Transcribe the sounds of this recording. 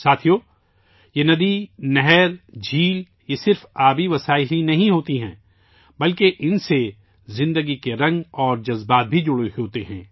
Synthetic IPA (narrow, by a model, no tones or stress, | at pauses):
saːt̪ʰijoː | jenɐd̪inɛɦɛɾd͡ʒʱiːl | jesɪɾfaːbiʋɐsaːɪlinɐɦĩɦoːt̪iɦɛ̰̃ː | bɐlkeʔɪnse | zɪ̃nd̪əɡikeɾɐ̃ŋɡɔːɾd͡ʒɐzbaːt̪̚bʱid͡ʒʊɽeɦoːt̪eɦɛ̰̃ː